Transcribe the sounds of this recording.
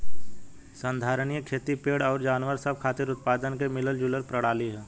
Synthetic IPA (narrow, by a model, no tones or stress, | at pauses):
sə̃nd̪ʱaːɾəñijəkʰeːt̪ipeːɽɔːɾd͡ʒaːnʋəɾsəb̚kʰaːt̪ɪɾʊt̪̚paːd̪ənkemɪləld͡ʒuləɾpɾəɽ̤aːliɦɛː